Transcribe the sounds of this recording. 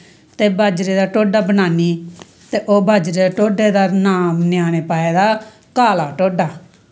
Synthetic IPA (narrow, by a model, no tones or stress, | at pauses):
t̪eːbaːd͡ʒɾeːd̪aːʈoːɖaːbənaːniː | t̪eːʔoːbʱaːd͡ʒɾeːd̪ːʈoːɖeːd̪aːnaːmnɪjaːɽ̃eːpaːeːd̪aː | kaːlaːʈoːɖaː